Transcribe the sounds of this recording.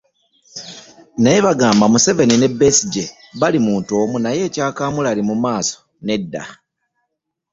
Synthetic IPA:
neβaɡaːmbamuse̞ve̞nine̞be̞siɟe | βalimuːnto̞ːmunaje̞ːcaːkaːmulalimumaːso̥ | ne̞dːa̰

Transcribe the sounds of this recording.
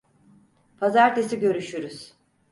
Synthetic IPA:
pʰazaɾt̪ʰesiɟø̞ɾyʃyɾyz̥

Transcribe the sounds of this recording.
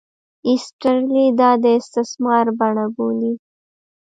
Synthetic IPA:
ɪsʈəɾlid̪ɑd̪əɪst̪ɪsmɑɾbaɳaboli

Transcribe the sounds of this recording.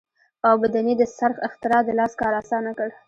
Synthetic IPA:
awbad̪aned̪əsaɾxɪxt̪ɪɾɑd̪əlɑskɑɾɑsɑnakəɽ

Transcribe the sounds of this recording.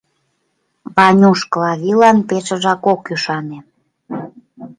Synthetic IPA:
βɑnʲuʃklɑβilɑnpet͡ʃə̆ʒɑkokyʃɑne

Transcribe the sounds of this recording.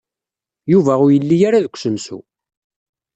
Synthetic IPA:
juvæʊɾjəlːijaɾaðəkʷːsəmsṵ

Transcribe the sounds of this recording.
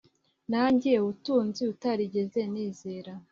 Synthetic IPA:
naɲɟijeutuːnziutaɾiɟe̞ze̞niːze̞ːɾa

